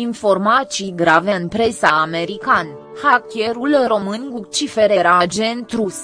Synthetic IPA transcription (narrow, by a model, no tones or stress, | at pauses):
info̞rmat̪siɡɾave̞ɨnpɾe̞saːme̞ɾikan | hakʲje̞ɾulro̞mɨnʲɡukt͡ʃifeɾeɾad͡ʒent̪ɾus